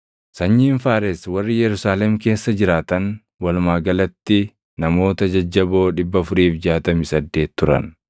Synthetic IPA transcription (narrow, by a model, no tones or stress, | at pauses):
sɐɲːiːnfaːɾɛswɐrːɪjɛɾʊsaːlɛmke̞ːsːɐd͡ʒɪɾaːt̪ɐn | wɐlmaːɡɐlɐt̪ːɪ | nɐmo̞ːt̪ɐd͡ʒɐd͡ʒːɐbo̞ːᶑɪbːɐfʊɾiːfd͡ʒaːt̪ɐmɪsɐd̪ːe̞ːt̪ːʊɾɐ̰n